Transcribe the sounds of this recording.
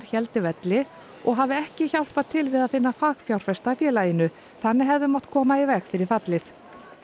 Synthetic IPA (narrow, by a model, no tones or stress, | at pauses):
ɾ̥çɛlt̪ɪvɛt̪lɪ | ɔɣɦaːvɪɛhcɪçaw̪̥tpat̪ʰɪlvɪðaðfɪnːafaːɣfjawɾ̥fɛst̪afjɛːlajɪnʏ | θanːɪɦɛvðʏmaw̥t̪kʰɔːmaivɛxfɪɾɪɾ̥fat̪lɪθ